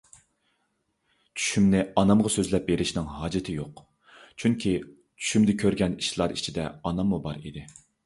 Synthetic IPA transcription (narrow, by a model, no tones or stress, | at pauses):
t͡ʃʰy̥ʃymnɪɑnɑmʁɑsøzlɛp̚beɾɪʃnɪŋɦɑːd͡ʒɪt̪ʰɪjoq | t͡ʃʰyŋkʲʰi | t͡ʃʰy̥ʃymd̪ɪkʲʰøɾɡʲɛniʃlˠɑɾit͡ʃʰid̪ɛ̰ɑnɑmːubɑɾḭd̪ɪ